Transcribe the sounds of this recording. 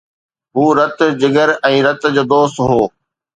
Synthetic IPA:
ɦuːɾɐt̪̆d͡ʑɪɡəɾɛ̃ːɾɐt̪d͡ʑoːd̪oːst̪ɦoː

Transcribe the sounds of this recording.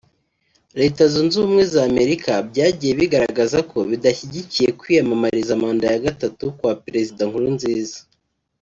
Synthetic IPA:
ɾe̞ːtazunzumŋe̞zaːme̞ɾikabɟaːɟije̞βiɡaɾaɡazako̞βidaçiɟicije̞kwiːjamamaɾizamaːndajaɡatatukwaːpɾe̞zidaŋhuɾunziːzḁ

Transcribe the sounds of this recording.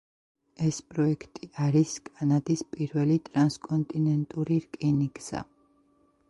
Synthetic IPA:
ɛspʼɾɔɛkʰt̪ʼiaɾiskʼanad̪ispʼiɾvɛlit̪ʼɾanskʼɔnt̪ʼinɛnt̪ʼuɾiɾkʼinikʼz̥a̰

